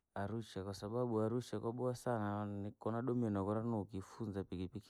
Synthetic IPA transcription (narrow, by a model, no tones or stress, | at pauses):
aɾut͡ʃakwasaɓaɓuaɾuʃakwaɓɔasananikɔnaɗɔmɛnakɔɾanɔkifunzapikipiki̥